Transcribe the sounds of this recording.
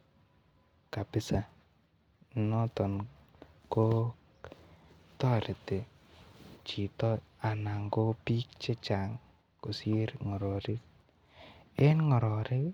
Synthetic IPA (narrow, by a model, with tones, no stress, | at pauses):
ka˨pɪ˨˦sa˨ | nɔ˦tɔ˨n | ko˦ | tɔ˦ɾe˨te˨ | t͡ʃi˨tɔ˦ | a˨na˨ŋɡo˦pi˦k̚t͡ʃe˦t͡ʃa˨ŋ | ko˨si˦ɾŋɔ˨ɾɔ˨ɾi˦k̚ | e˦nŋɔ˨ɾɔ˨ɾɪ˦